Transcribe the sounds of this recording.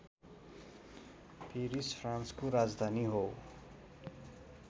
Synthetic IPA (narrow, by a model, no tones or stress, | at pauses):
pʰiɾispʰɾãnskoɾad͡zd̪ʱaniɦow